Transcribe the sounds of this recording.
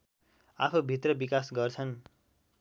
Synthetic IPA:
apʰobʱit̪rʌbikasɡʌrt͡sʰʌn

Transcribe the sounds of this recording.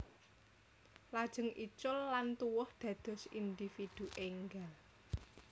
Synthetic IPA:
lad̥ʒ̥ə̤ŋʔḭt͡ʃʊlːant̪uwʊhd̪̥ä̤d̪̥ɔ̤sind̪ifid̪̥uʔeŋɡal

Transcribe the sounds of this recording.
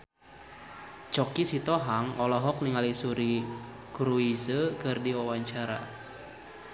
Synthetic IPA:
t͡ʃɔkisit̪ɔɦaŋɔlɔɦɔk̚niŋalisuɾi | kɾuisəkɨrdiwawaɲt͡ʃaɾa̰

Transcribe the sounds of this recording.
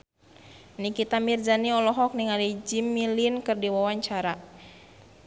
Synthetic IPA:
nikit̪amird͡ʒaniɔlɔɦɔk̚niŋalid͡ʒimːilinkɨrdiwawaɲt͡ʃaɾa

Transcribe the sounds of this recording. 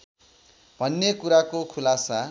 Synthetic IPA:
b̥ʱʌnːekuɾakokʰulasa

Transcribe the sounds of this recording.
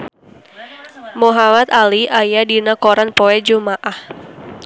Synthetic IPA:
muɦamat̪aliʔajadinakoɾanpɔɛd͡ʒumaʔah

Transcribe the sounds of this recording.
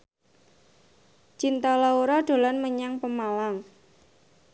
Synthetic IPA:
t͡ʃint̪ɔlɔuɾɔɖ̪̥o̤lɔnməɲaŋpəmalaŋ

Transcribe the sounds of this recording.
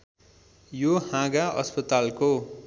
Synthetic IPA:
johãɡaʔʌ̰spʌt̪alko

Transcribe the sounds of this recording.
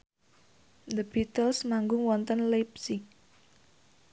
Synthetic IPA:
d̪əbit̪əlsmaŋɡʊŋwɔnt̪ənlepsik̚

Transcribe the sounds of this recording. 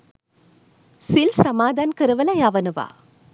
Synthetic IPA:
silsɐmaːd̪aːnkɪɾɯʋɐlɐjaːʋɐnɯʋa̰ː

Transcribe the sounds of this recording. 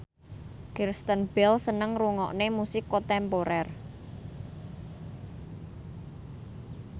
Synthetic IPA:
kirst̪ənb̥ɛlsənəŋruŋɔ̰ʔnemusɪkːot̪ɛmpoɾɛr

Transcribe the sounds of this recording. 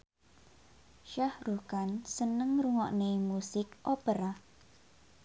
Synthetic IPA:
ʃahɾukansənəŋɾuŋɔ̰ʔnemusɪkʔopeɾa

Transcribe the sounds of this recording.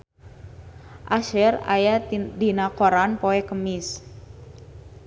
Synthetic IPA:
ʔaʃɛra̰jadinakoɾanpoɛkəmɪs

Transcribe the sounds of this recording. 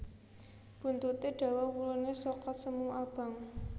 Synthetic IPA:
b̥ṳnt̪ut̪eɖ̥a̤wakulunesɔkɔt̪səmuab̥a̤ŋ

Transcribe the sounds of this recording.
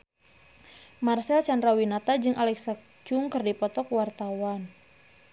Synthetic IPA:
marsɛlt͡ʃanɾawinat̪ad͡ʒɨŋʔalɛksak̚ | t͡ʃʊŋkɨrdipɔt̪ɔkwart̪awan

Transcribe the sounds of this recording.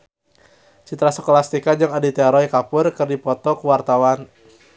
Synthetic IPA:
t͡ʃit̪ɾasɔkolast̪ikad͡ʒɨŋadit̪ɛɾɔikapʊrkɨrdipɔt̪ɔkuwart̪awan

